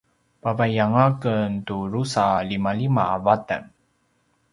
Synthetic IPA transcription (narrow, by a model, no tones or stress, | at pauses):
pavajaŋakəntuɾusalimalimaːvatə̰n